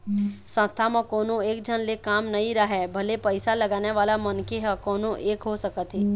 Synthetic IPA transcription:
sə̃nst̪ʰamãkɔːnõeːkd͡ʒʱənlekaːmnɐɦĩɾaɦɛːbʱɐlepəɪsalɐɡaːneʋaːlamɐnkeɦɛkɔːnõʔeːkɦosəkət̪ɦeː

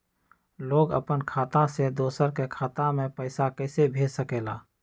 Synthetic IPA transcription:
loːɡə̰pənkʰaːt̪ãsed̪oːsəɾkekʰaːt̪ãmẽpəɪsakɛːsebʱeːd͡ʒsəkeːlaː

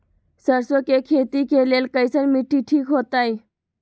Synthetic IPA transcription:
səɾsokekʰet̪ikelelkəjsəɾmiʈʰːiʈʰiːkɦot̪aj

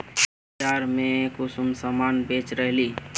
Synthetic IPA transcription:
t͡ʃaɾmekusumsəmanbet͡ʃɾəɦli

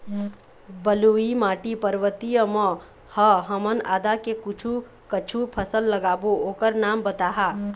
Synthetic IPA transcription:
bəluimaːʈipəɾʋət̪ijəmɔ̃ | həɦəməna̰ːd̪akekʊt͡ʃʰu | kət͡ʃʰupʰəsəlːəɡaːbooːkəɾnaːmbət̪aːɦaː

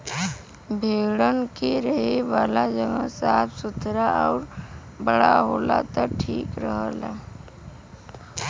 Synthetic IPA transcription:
bʱeːɽənkeɾəɦeʋaːlad͡ʒəɡə̃saːpʰsʊt̪ʰɾaʔɔːɾ | bəɽaɦoːla̰t̪əʈʰiːkɾəɦəla̰

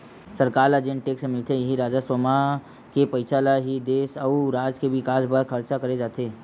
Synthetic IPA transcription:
səɾkaːɾlad͡ʒẽɳʈʈeːksmɪlt̪ʰẽjɐɦiɾaːd͡ʒaswəma | kepəɪt͡ʃaːlaɦid̪eːsəuɾaːd͡ʒkebʱikaːsbəɾkʰɐɾt͡ʃakɐɾed͡ʒaːt̪eː

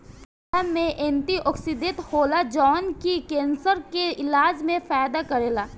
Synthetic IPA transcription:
amẽʔẽːnt̪iʔɔːksid̪et̪hoːlad͡ʒɔːnkikẽːnsəɾkeɪlaːd͡ʒmẽfaːd̪akɐɾeːlaː

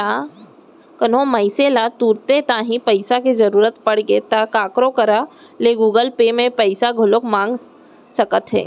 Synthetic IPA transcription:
a | kənõməɪselat̪uːɾt̪et̪ãːɦĩpɐɪsakizɐɾuːɾət̪pɐɽɡeːt̪akaːkɾõkəɾa | leɡuːɡəlpeːmẽpəɪsaɡʱʊlokmãːŋɡ | sɐkət̪ɦɛ̰ː

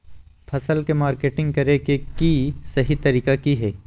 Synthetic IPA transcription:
pʰɐsəlkemaːɾkeːʈɪ̃ŋɡ̚kɐɾekekisɐɦit̪ɐɾiːkakiɦɛː

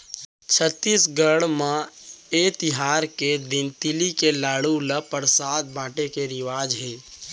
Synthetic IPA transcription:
t͡ʃʰət̪ːisɡəɽmãet̪ɪɦaːɾked̪ɪnt̪ɪlikelaːɽuləpəɾsaːt̪̚bʱãːʈekeɾɪʋaːd͡ʒɦeː

